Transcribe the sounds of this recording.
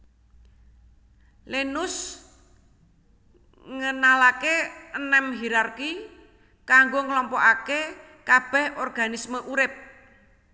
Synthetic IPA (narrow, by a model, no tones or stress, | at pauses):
lenʊs | ŋənalakeənɛmɦiɾarki | kaŋɡoŋəlɔmpɔʔake | kab̥ɛ̤hɔrɡ̥a̤nisməʔuɾɪp̚